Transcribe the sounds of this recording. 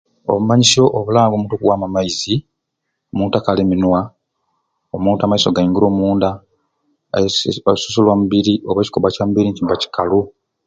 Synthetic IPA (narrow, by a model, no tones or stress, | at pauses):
o̞̰βumaɲiso̞ʔːβulaːŋɡomuːntokuwaːmamaizi | omuːntakaleminwa | omuːntamaisoɡaiŋɡuɾo̞ːmuːnda | su̥sulwamuβiɾiʔoβeːci̥ko̞βacamubiɾiɲcimbaci̥kalu